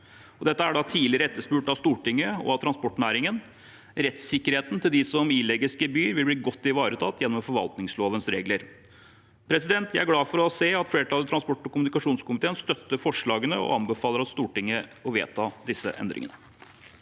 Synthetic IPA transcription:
ɔd̪ɛt̪ːəæɖɑt̪ʰiːlɪɾəɛt̪ːəʂpʉːʈɑʋst̪uːʈɪŋːəɔ̰ɑt̪ʰɾɑnspɔʈːɳæːɾɪŋən | ɾɛt̪sɪkːəɾheːt̪n̩t̪ʰɪld̪ɪsɔmiːlɛɡɪskəbyːɾʋɪlbliːɡɔt̪ːɪʋɑːɾət̪ʰɑːt̪jɛnːɔmfɔɾʋɑ̰lt̪nɪŋsloːʋənsɾeːɡləɾ | pʰɾɛsɪd̪ɛnt̪jæɪæɾɡlɑːfɔɾɔseːɑt̪fleːɾəʈ̪ʰɑːlət̪ɾɑnspɔʈːɔkʊmnɪkɑʂuːnskʊmɪt̪ʰeːənst̪œt̪ːəɾfɔʂɭɑːɡənəɔ̰ɑnbəfɑːləɾɑst̪uːʈɪŋːəɔʋḛːt̪ʰɑːd̪ɪsːə̰ʔɛ̰nd̪ɾɪ̰ŋənə

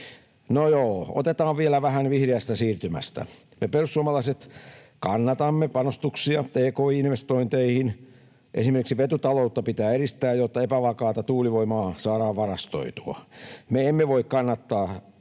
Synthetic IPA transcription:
nojoːo̰t̪et̪ɑːʋʋielæʋæhænʋihreæst̪æsiːrt̪ymæ̰st̪æ̰ | meperussuomɑlɑiset̪kɑnːɑt̪ɑmːepɑnost̪uksiɑt̪eːkoːiinʋest̪oint̪eihin | ʔḛsimerkiksiʋet̪ut̪ɑlout̪ːɑpit̪æːeɾist̪æːjjot̪ːɑepæʋɑkɑːt̪ɑt̪uːliʋoimɑːsɑːɾɑːʋʋɑrɑst̪o̰it̪uɑ̰meemːeʋoikkɑnːɑt̪ːɑː

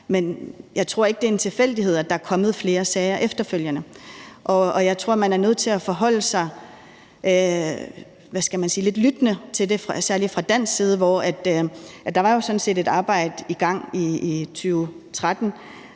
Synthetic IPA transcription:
menjɑ̈ɪt͡sʰʁo̝ɐ̰e̝ɡ̥əd̥e̝ɐe̝nt͡sʰe̝fel̰d̥ihe̝ð̞̰ˠæd̥ɑ̈æɐkʰɒ̽məð̞̩ˠfle̝ːɐsɛːɪɐʔefd̥ɐføl̰jənəʔɒ̽ɒ̽jɑ̈ɪt͡sʰʁo̝ɐ̰mænæɐnøð̰ˠt͡sʰe̝læfɒ̽ɦɒ̽l̰əsɑ̈ɪ | ʋæsɡ̥æmænsiːle̝d̥lyd̥nət͡sʰe̝ld̥e̝fʁɑsæɐlifʁɑ̈d̥æn̰siːð̞ˠəʋɒæd̥æd̥ɑ̈ʋɑ̈jo̝sɒ̽n̩se̝̰ːde̝d̥ɑ̈ːb̥ɑ̈ɪ̰d̥iɡ̥ɑ̈ŋ̰iːt͡sʰyːʊ | t͡sʰʁad̥n̩

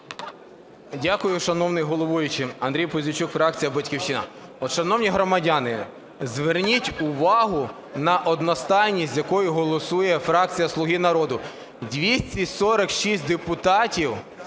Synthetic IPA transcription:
dʲakʊjʊʃɐnɔwnɪjɦɔlˠɔʋujʊt͡ʃɪɐnd̪ɾʲijpɔzʲʋʲʊt͡ʃukfɾɑk̚t͡sʲijɐbɐtʲkʲiwʃɪnɐ̰ɔʃɐnɔwnʲiɦɾɔmɐdʲanɪ | zʋernʲitʲʊʋɑɦʊ | nɐʔɔd̪nɔst̪ɑjnʲisʲtʲzjɐkɔjʊɦɔlˠɔsujɛfɾɑk̚t͡sʲijɐslˠʊɦinɐɾɔd̪ʊ | dʲʋʲisʲtʲisɔɾɐkʃisʲt̚ʲd̪epʊt̪ɑtʲiw

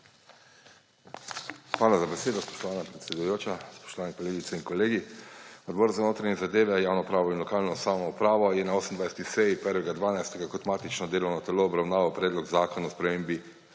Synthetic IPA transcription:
xʋaːlazabɛseːd̪ɔspɔ̥ʃt̪ɔʋaːnapɾɛt̪sɛd̪ujoːt͡ʃaspɔ̥ʃt̪ɔʋaːnikoleːɡit̪sɛinkɔleːɡiɔd̪bɔːɾzanoːt̪ɾaɲɛzad̪eːʋɛjaːwnɔpɾaːʋɔinlɔkaːlnɔsaːwnɔupɾaːʋɔjɛnaoːsəmnd̪ʋajsɛt̪isɛjipɛɾʋɛɡad̪ʋaːnajst̪ɛɡakɔt̪maːt̪it͡ʃnɔd̪eːlɔwnɔt̪ɛloːbɾawnaːʋawpɾɛːd̪lɔɡzaːkɔnaspɾɛmeːmbi

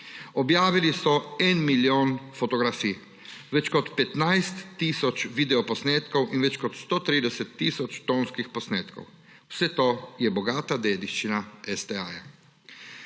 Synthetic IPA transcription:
ɔbjaːʋilisɔɛnmiljoːnfɔt̪ɔɡɾafiː | ʋɛt͡ʃkɔt̪pɛt̪najst̪ːiːsɔt͡ʃʋid̪ɛɔpɔsneːt̪kɔwʔinʋɛt͡ʃkɔt̪st̪ot̪ɾiːd̪ɛsɛt̪ːiːsɔt͡ʃt̪oːnskixpɔsneːt̪kɔ̰w | wsɛt̪ojɛbɔɡaːt̪ad̪eːd̪iʃt͡ʃinaɛsd̪ɛaːja

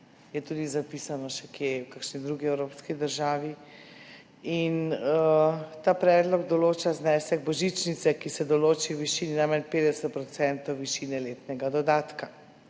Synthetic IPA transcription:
jɛt̪uːd̪izapiːsanɔʃɛkjewkakʃnid̪ɾuɡiɛwɾoːpskid̪əɾʒaːʋi | inət̪aːpɾɛːd̪lɔɡd̪ɔloːt͡ʃaznɛsɛɡbɔʒit͡ʃnit̪sɛkisɛd̪ɔloːt͡ʃiwʋiʃiːninamɛnpeːd̪ɛsɛt̪̚pɾɔt̪sɛnt̪ɔwʋiʃiːnɛleːt̪nɛɡad̪ɔd̪aːt̪ka

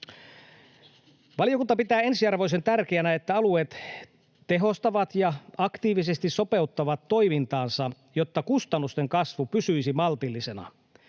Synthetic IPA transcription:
ʋɑlijokunt̪ɑpit̪æːe̞nsiɑrʋo̞ise̞nt̪ærkeænæet̪ːæɑlueːt̪ | t̪e̞ɦo̞st̪ɑʋɑt̪jɑɑkt̪iːʋisest̪isso̞pe̞ut̪ːɑʋɑt̪ːo̞imint̪ɑːnsɑ | jot̪ːɑkust̪ɑnːust̪eŋkɑsʋupysyjsimɑlt̪ilːise̞nɑ̰

